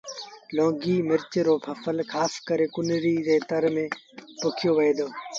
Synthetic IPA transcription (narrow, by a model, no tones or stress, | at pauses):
lõːɡiːmɪɾt͡ʃɾoːpʰəfʰəlkʰaːskəɾeːkʊnɾiːɾeːt̪əɾmẽː | pʊkʰɪjoːʋəɦeːd̪oː